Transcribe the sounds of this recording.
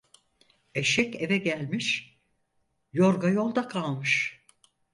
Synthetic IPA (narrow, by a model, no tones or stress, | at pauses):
eʃɛcevɛɟælʲmiʃ | joɾɡajo̞lˠd̪akʰalˠmɯʃ